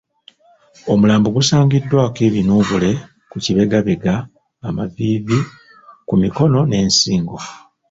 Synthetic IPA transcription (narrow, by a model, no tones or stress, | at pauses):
omulaːmbuɡusaːŋɡidːwaːkeβinuːβule̞ | kuciβe̞ɡaβeɡaː | maviːvi | kumiko̞no̞ne̞ːnsiːŋɡo